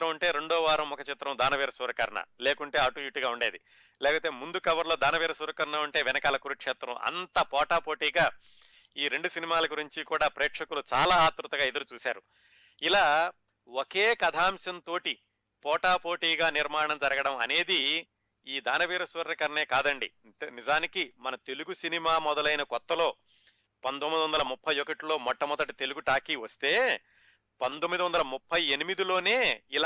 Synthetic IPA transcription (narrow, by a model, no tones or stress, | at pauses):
ɾɐmɐɳʈe̞ːɾeɳɖɔːʋaːɾɐmɔkɐt͡ʃit̪ɾɐmd̪aːnɐʋiːɾɐsuɾɐkɐɾɐɳɐ̰leːkuɳʈe̞ːɐʈujuʈiɡaːuɳɖeːd̪i | lɛːkɐpoːt̪eːmund̪ukɐʋɐɾlo̞ːd̪aːnɐʋiːɾɐsuːɾɐkɐɾɐnɐːuɳʈe̞ːʋɛnɐkaːlɐkuɾukt͡ʃɛːt̪ɾɐ̰mɐ̰nt̪ɐpɔːʈaːpoːʈiːɡaː | iːɾe̞ɳɖusinimaːlɐɡuɾiɲt͡ʃikuːɽaːpɾeːkʂɐkulut͡ʃaːlaːaːt̪ɾut̪ɐɡaːid̪ɐɾut͡ʃuːsa̰ːɾu | ilaː | woke̞ːkɐd̪ʱaːmʃɐnt̪o̞ːʈi | pɔːʈaːpoːʈiːɡaːniɾmaːɳɐmd͡ʒɐɾɐɡɐɽɐmɐ̰ne̞ːd̪i | iːd̪ʱaːnɐʋiːɾɐsʋɐɾɾɐkɐɾne̞ːkaːd̪ɐɳɖḭ | eːnizaːnikimɐnɐt̪e̞luɡusinimaːmɔd̪ɐlɐjnɐkɔt̪ːɐlo̞ː | pɐnt̪omːid̪iʋɐnd̪ɐlɐmupʰːɐjokɐʈlo̞ːmɔʈːɐmɔd̪ɐʈit̪e̞luɡuʈaːkiːʋɐst̪e̞ː | pɐnt̪omːid̪iʋɐnd̪ɐlɐmupʰːɐjenimid̪ilo̞ːne̞ːil